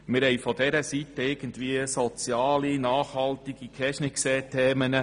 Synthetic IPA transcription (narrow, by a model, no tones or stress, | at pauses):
mɪɾhɛjfɔdɛɾəsitəɪɾɡ̥ən̩tviəsɔt͡sjɑːlinɑːχhɑlt̪iɡ̥ikʰɛʃnɪkseːtʰeːmənə